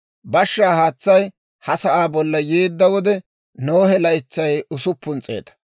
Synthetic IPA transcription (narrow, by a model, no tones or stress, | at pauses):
bɐʃːaːhaːt͡sːɐj | hɐsɐʔaːbɔlːɐjeːd̪ːɐwɔd̪ɛ | noːhɛlɐjɪt͡sːɐjʊsʊpːʊnt͡sʼe̞̰ːt̪ɐ̥